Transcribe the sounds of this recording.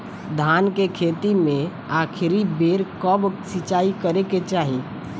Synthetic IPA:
d̪ʱaːnkekʰeːt̪imẽ | aːkʰɪɾibeːɾkəbsɪt͡ʃaːikəɾeket͡ʃaːɦi

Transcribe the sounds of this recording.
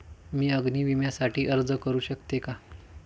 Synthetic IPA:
miːəɡniːʋimjasaʈʰiːʔəɾd͡zəkəɾuːɕəkt̪eka

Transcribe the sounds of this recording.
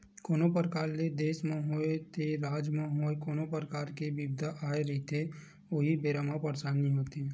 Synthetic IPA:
koːnopɾəkaːɾled̪eːsmẽɦoet̪eɾaːd͡ʒmẽɦoːekoːnopəɾəkaːɾkebibd̪ʱaʔaːeɾəit̪ʰe | oɦibeːɾamapəɾt͡ʃaːnĩɦoːt̪e

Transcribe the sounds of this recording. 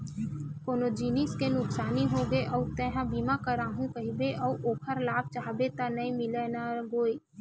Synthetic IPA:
koːnod͡ʒiːniskenʊksaːniɦoɡəeʔɔːt̪ɛ̃ɦãbiːmakəɾaːɦũkəɦibeʔɔuʔoːkʰəɾlaːb̚t͡ʃaɦbet̪anəĩmɪlenaɡoːeː

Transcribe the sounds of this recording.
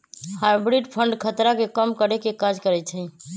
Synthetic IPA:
hajbɾiɖpʰəɳɖkʰət̪ɾakekəmkəɾɛkekad͡ʒkəɾɛt͡ʃʰɛ

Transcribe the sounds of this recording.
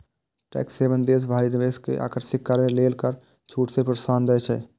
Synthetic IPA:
ʈɛ̰ːkseːʋənd̪eːs̬bʱaːɾinɪʋeːskḛʔa̰ːkəɾʃɪkːəɾmẽleːlkəɾ | t͡ʃʰuːʈsepɾəsaːnd̪əet͡ʃʰɛ̰ː

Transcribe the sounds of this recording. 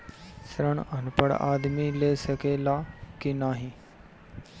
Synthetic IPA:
sɾəɳɐnpəɽa̰ːd̪mileːsəkeːlaːkinaːɦĩ

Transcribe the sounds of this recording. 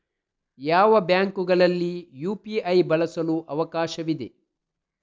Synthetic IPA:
jaːʋɐbjaːŋkuɡɐɭɐlːijuːpiɐjbɐlɐsɐluʔɐʋɐkaːʃɐʋid̪e

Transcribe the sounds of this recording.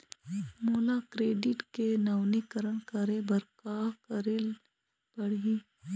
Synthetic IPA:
muːlakɾeːɖɪʈkenaːwnikəɾəɳkəɾebɐɾkaːkəɾel | bɐɽ̤i

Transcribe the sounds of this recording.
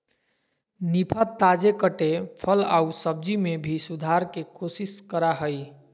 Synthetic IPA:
nipʰat̪ad͡ʒekəʈepʰəla̰usəb̚d͡ʒimebʱisud̪ʱaɾkekosiskəɾaɦəj

